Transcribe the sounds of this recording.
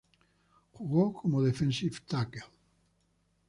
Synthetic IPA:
xuɣowkʰomoðefẽnsift̪akel

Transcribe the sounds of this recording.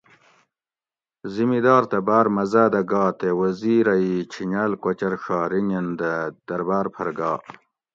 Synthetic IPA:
zimid̪ɑːɾt̪ebaːɾmɐzaːd̪ɐɡɑːt̪ewɐziːɾɐit͡ɕʰiɲaːlkɐt͡ɕɐɾʂaːɾiŋɐnd̪ɐd̪̥ɐɾbaːɾpʰɐɾɡaː

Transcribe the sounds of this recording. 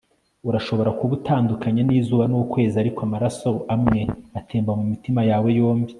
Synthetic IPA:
uɾaʃo̞βo̞ɾakuβutaːndukʰaɲaniːzuːβanukwe̞ːziaɾikoamaɾaso̞amŋe̞ateːmbamumitimajaːwe̞jo̞ːmbi

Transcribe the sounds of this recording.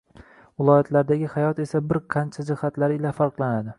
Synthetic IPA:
vɪlˠɒjat̪ʰlaɾd̪aɡʲɪhajɒt̪e̞sabɪɾqʰɑnt͡ʃʰad͡ʒɪhat̪laɾɪlafaɾqlˠanad̪ɪ

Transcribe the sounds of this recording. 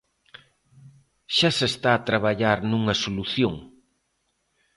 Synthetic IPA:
ʃasest̪aːt̪ɾaβaʎaɾnuŋɐsoluθjoŋ

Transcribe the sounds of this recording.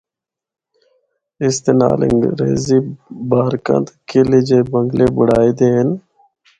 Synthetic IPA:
ɪst̪ena̰ːlɪ̰ŋɾḛːziːbaːɾkə̰̃nt̪kɪlid͡ʒeːbəŋɡleːbʊɽaːiːd̪eːɦən

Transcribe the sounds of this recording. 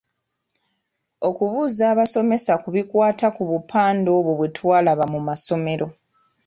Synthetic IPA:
o̞kuβuːzaːβaso̞me̞sakuβikwaːtakuβupʰaːndo̞ːβoβwetʰwaːlaβamumaso̞me̞ɾʔo̞

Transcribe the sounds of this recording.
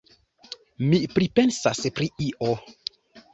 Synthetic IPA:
mipɾipensaspɾiiʔo

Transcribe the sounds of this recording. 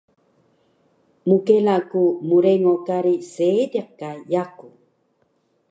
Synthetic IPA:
mukelakumuɾeŋokaɾisediq̚kajaku

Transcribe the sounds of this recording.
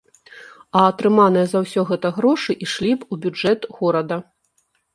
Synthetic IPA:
ɐːt̪ɾɨmanɨjɛzɐwsʲɔɣɛt̪ɐɣɾɔʂɨʔiʂlʲipubʲud͡ʐɛt̪ɣɔɾɐd̪ɐ

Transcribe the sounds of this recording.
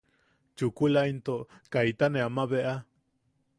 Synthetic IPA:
t͡ʃukulaint̪okajt̪anẽamaβeʔa

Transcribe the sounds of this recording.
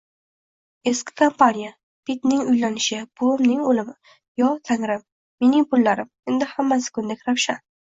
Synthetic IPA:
e̞skʰʲɪ̥kʰompʰanija | pʰit̪nɪŋʊjlanɪʃɪb̥omnɪŋolɪmɪ | jɒt̪ʰaŋɾɪmː | e̞nɪŋpʊlːaɾɪme̞nd̪ɪhamːasɪ̥kʰʊnd̪ekʲɾawʃan

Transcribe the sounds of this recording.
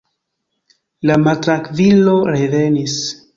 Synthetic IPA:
lamatɾakvilo̞ɾeve̞nis

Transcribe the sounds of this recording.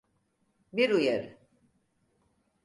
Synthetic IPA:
biɾujaɾɯ

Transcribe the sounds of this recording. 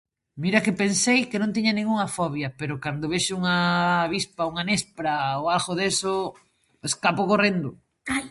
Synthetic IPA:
miɾɐkɪpensejkɪnõnt̪̬iɲɐnẽŋuŋɐfɔβjɐpeɾʊkand̪ʊβeʃʊuŋɐːβispauŋanespɾaoalɣoðeso | eskapokorend̪ʊ | aj

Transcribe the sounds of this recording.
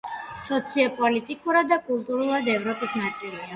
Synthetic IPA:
sɔt̪sʰiɔpʼɔlit̪ʼikʼuɾad̪ːakʼulˠt̪ʼuɾulˠad̪ɛvɾɔpʼisnat̪sʼilia

